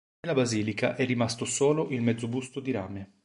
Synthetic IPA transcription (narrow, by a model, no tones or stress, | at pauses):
elabaziːlika̰ʔɛrːimast̪osoːloʔilmɛd̪zːobust̪od̪iɾaːme